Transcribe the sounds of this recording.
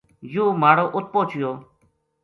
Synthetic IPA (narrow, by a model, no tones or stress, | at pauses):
jũːmaːɽoːʔʊt̪̚poːt͡ʃɪjoː